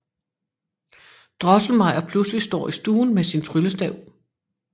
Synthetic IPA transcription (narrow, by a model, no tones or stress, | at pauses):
d̥ʁɒ̽sl̩mɑ̈ɪ̰ɐpʰluslisd̥ɒ̰ːisd̥uːnmesint͡sʰʁyləsd̥ɛʊ